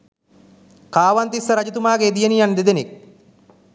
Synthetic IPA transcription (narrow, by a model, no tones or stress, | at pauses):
kaːʋant̪isːəɾad͡ʒut̪umaːɡeːd̪ijenijand̪ed̪enik̚